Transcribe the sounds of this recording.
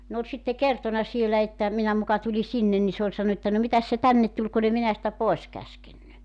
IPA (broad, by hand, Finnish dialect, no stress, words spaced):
ne olʲ sitːe kertonɑ sielæ etːæ minæ mukɑ tuli sinːen ni se olʲ sɑnːu etːæ no mitæs se tænːet tulʲ kun e minæ sĭtæ poes kæskenːy